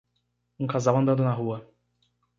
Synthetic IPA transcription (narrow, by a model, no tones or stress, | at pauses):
ũkazawɐ̃nd̪ɐ̃nd̪ʊ̃naɦuɐ